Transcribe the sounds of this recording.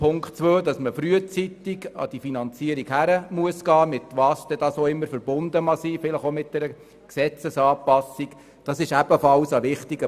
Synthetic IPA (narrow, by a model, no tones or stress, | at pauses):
pʰʊŋktt͡sʋøːdɑsməfɾyət͡sit̪iɡɑ̰d̥ifinɑnt͡siəɾikhæɾəmuəsɡ̥ɑːmɪt̪ʋɑːsd̥̪ɛd̥ɑːsoɪmːəɾfəɾbʊndəmɑsiːfɪləχomɪt̚d̥ɛɾə | ksɛt͡səsɑːpːɑsik | d̥ɑsɪʃæb̥əfɑlsɑʋɪχtiɡə